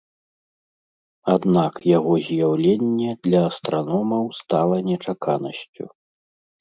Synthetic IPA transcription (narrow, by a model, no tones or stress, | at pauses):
ad̪nakjaɣɔzʲjawlʲenʲːɛd̪lʲɐːst̪ɾanɔmɐwst̪alˠɐnʲɛt͡ʂakʰanɐsʲt͡sʲṵ